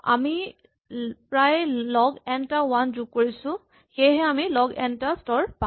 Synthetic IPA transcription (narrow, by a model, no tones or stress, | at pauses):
a̰mi | pɹajlɔɡɛntawanzuk̚kːoɹisʊ̃ | xejɦɛamilɔɡɛntastɔɹpã